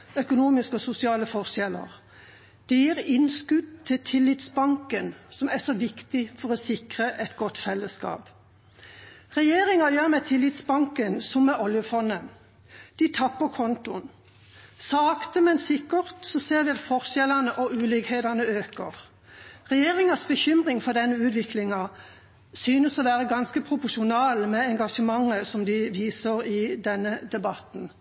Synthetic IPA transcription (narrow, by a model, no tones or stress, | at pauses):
œkʊnuːmɪskəɔsʊsɪɑːləfɔʁʃɛlə̰ʁ | d̪̥ɛjiʁɪnskʉd̪t̪ʰːɪt̪ʰɪlːɪt̪sbɑŋkənsɔmæsɔʋɪkt̪ɪfɔʁɔsɪkʁəʔɛt̪ɡɔt̪ːfɛlːəskɑ̰ːp | ʁɛjeːʁɪŋɑjøːʁmɛt̪ʰɪlːɪt̪sbɑŋkənsɔmːɛʔɔljəfɔnːən | d̪̥ɪt̪ʰɑpːəkʰɔnt̪ʊn | sɑːkt̪əmɛnsɪkəʁt̪sɔseːʁʋɪɑt̪fɔʁʃɛlɑnəʔɔʔʉːlɪɡheːd̪ɑnəøːkəʁ | ʁɛjeːʁɪŋɑsbəçʏmʁɪŋfɔʁd̪ɛnːəʉːt̪ʋɪklɪŋɑ | syːnəsɔʋæːʁəɡɑnskəpʰʁʊpʊʂʊnɑːlmɛɛŋɡɑʂəmɑŋːəsɔmd̪ɪʋiːsəʁɪd̪ɛnːəd̪ɛbɑt̪n